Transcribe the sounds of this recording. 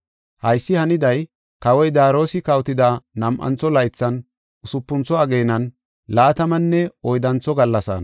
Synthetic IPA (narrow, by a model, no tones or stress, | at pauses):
hɐjsːɪhɐnɪd̪ɐj | kɐwɔjd̪aːɾo̞ːsɪkɐwt̪ɪd̪anɐmʔɐ̰nt͡sːɔlɐjt͡sːɐn | ʊsʊpːʊnt͡sɔɐɡe̞ːnɐn | laːt̪ɐmɐnːɛɔjd̪ɐnt͡sːɔɡɐlːɐsa̰ːn